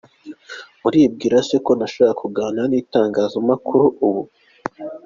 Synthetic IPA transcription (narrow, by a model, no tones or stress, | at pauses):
muɾiːb̚ɡiːɾaseko̞naʃokakuɡaːnaniːtaːŋɡaːzamakʰuɾuʔːβu